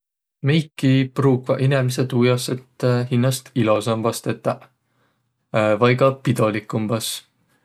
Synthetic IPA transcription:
mejkːˑipruːɡvɑʔinemis̬et̪uːjɑset̪ːhinːɑst̪ilosɑmvɑst̪e̞t̪ːˑɑ | vɑjɡɑpid̪olikːˑumbɑs

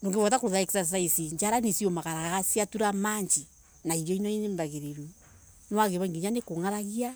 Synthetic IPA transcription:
ndoŋɡeβɔt̬akoɾoðaɛkisasaisiɲd͡ʒaɾanesiomakaɾaaɣasiatuɾamaɲd͡ʒi | naiɾjɔinɔinembaɣeɾeɾu | nwaɣeβaŋɡiɲanekoŋaɾaɣia

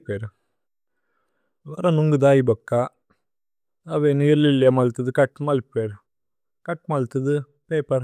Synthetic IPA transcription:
peːɾ | ʋɐɾɐ̃nʊŋɡɯd̪aːjibɐkːaː | ɐʋeniːɾlɪlːjamɐlt̪ːɐðɯkɐʈːmɐleːɾ | kɐʈːmɐlt̪ːɐðɯ | peːpɐɾ

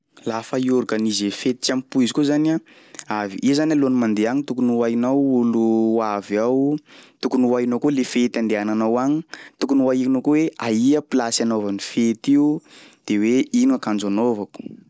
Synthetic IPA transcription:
lafaiuɾukənizefet̪i̥t͡sampuizikuzana | aviʔizanalonimand̪eaɲit̪ukunuainawuluavawt̪ukunuainokolefet̪and̪eananawaɲit̪ukunuainokoweaiəpilasanovanifet̪iud̪̥eweinuakand͡zanovaku̥

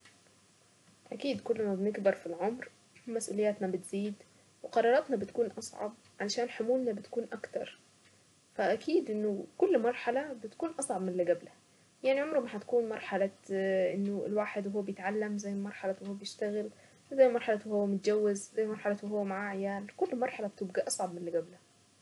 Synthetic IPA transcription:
ʔækiːd̪kolːmæbneɡbɑɾˤfilʕomɾ | mæsʔṵlejːæːt̪næbɪt̪z̥iːd̪ | weqɑɾˤɑːɾˤɑt̪nɑbɪt̪̚kuːnʔɑsˤʕɑ̰b̚ʕalæʃæːnħomuːlnæbet̪kuːnʔɑkt̪ɑ̰ɾˤ | fæʔækiːd̪ʔenːokolːmɑɾˤħalæbɪt̪kuːnʔɑsˤʕɑbmɪnleɡæblæ | jaʕniʕomɾmaħat̪kuːnmɑɾˤħalaʔɪnːoɪ̰lwaːħed̪wɦʊwːæbjɪt̪ʕalːæmzæjːlmɑɾˤħalawhʊːæbjɪʃt̪æɣɪl | zæjːmɑɾˤħɑlawhʊwːæmʊt̪̚d͡ʒæwːɪzzæjːmɑɾˤħɑlæwɦʊwːæmaʕaʕejaːlkʊlːmɑɾˤħalab̚t̪ɪbɡæʔɑsˤʕɑbmɪnlɪɡæblæ

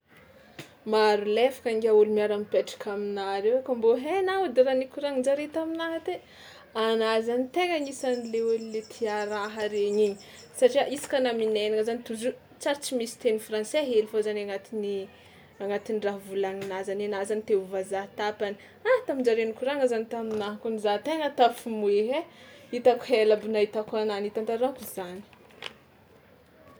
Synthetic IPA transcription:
maɾulefḁkaŋɡaulumiaɾampeʈ͡ʂḁkʰaminaɾewakamboɦenaud̪eɾanikuɾaŋiɳd͡ʒaɾet̪aminaɦat̪e | anazanit̪eɡaɲisanileulilet̪ʰiaɾaɦaɾeɲiɲi | saʈ͡ʂiaʔisḁkanamineniŋəzanit̪uzu | t͡saɾt͡simisi̥t̪enifrãnseɦelifozanaŋat̪ini | aŋat̪iniraɦvulaŋinazanenazanit̪euvazat̪apani̥ | at̪amind͡ʒaɾenukuraŋəzanit̪aminaɦakunizat̪eŋət̪afumueɦeit̪aku̥helabinait̪akananit̪ant̪aɾakizani̥

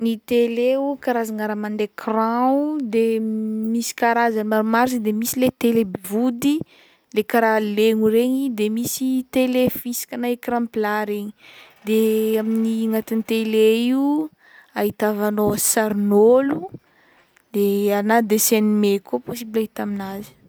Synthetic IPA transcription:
nit̪eleukaɾazaŋaɾamand̪ekrãud̪emisi̥kaɾazanimaɾumaɾsid̪emisilet̪elebivud̪i | lekaɾaleŋuɾeɲid̪emisit̪elefisi̥kʲanaekrãmplaɾeɲid̪eaminiŋat̪int̪eleiu | aɦit̪avanosaɾnolu | d̪̥eanad̪esenimekopos̬ibilaɦit̪aminazi̥

